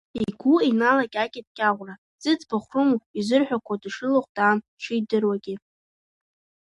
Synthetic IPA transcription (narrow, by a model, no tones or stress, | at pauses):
iɡʷuinalakʲʼakʲʼɪt̚ʼkʲʼaʁʷra | zʼɨt͡sbaχʷrɨmuizɨrħʷᶣakʷʰadɨʂɨloχʷdʼaːn | ʈ͡ʂʰɨjdɨrwaɡʲɪ